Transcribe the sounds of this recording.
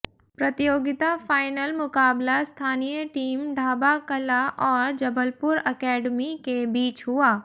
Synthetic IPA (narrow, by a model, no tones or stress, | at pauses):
pɾɐt̪ijoːɡɪt̪afaːɪnəlmʊkaːblast̪ʰaːnijəʈiːmɖʱaːbakɐlaʔɔːɾd͡ʒɐbʱəlpʊɾɐkɛːɖmikebiːt͡ʃɦʊaː